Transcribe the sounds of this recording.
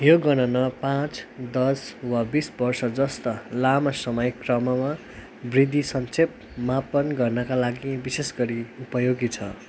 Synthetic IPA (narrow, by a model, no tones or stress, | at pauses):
joɡʌnʌnʌpãt͡sd̪ʌswabisbʌrsʌd͡zʌst̪ʌlamʌsʌmʌjkrʌmʌma | brid̪ʱisʌnt͡sʰep̚ | mapʌnɡʌrnʌkalaɡibisesɡʌɾiupʌjoɡit͡sʰʌ̰